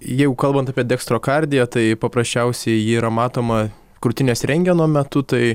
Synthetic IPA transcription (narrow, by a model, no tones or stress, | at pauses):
jɛɪɡʊkɐlˠbɐnt̪ɑːpʲiɛd̪ʲɛkst̪ɾoːkɐɾʲd̪ʲɪjɛt̪ɐɪpɐpɾɐsʲt͡ʃʲɛʊsʲɛɪjiːɾɐmɑːt̪oːmɐ | kɾʊt̪ʲɪnʲeːsɾʲɛŋʲɡʲɛnoːmʲɛt̪ʊt̪ɐɪ